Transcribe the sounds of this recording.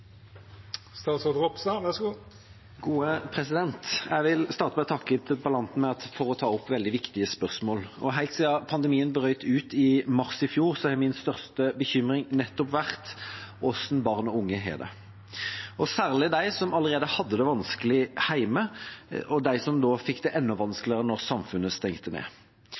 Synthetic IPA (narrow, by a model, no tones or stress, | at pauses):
st̪ɑːt̪sɔd̪ʁɔpsɑʋæsɡuː | ɡ̥uːəpʰɾɛsɪd̪ɛnt̪jæɪʋɪlst̪ɑːʁt̪əmɛt̪ʰɑkːət̪ʰɪpɑlɑnt̪n̩mɛɑt̪fɔʁɔt̪ʰɑːɔpːʋɛld̪ɪʋɪkt̪ɪəspœʁsmoːlɔ̰ɦæɪt̪sɪɑpʰɑnd̪əmiːənbəʁœʏt̪ʰʉːt̪ɪmɑʁsɪfjuːʁsɔɛmɪnst̪œʁst̪əbəçʏmɾɪŋnɛt̪ːɔpʋæʁt̪ɔsnbɑʁnɔʊŋːəɦɛ̰d̪ɛ̰ | ɔsæːʁlɪd̪æɪsɔmɑləʁeːd̪əhɑd̪ːəd̪ɛʋɑnskəlɪhæɪməʔɔd̪æɪsɔmd̪oːfɪkːd̪ɛʔɛnːɔʋɑnsklɪʁənɔʁsɑmfʉnəst̪ɛŋt̪ənḛː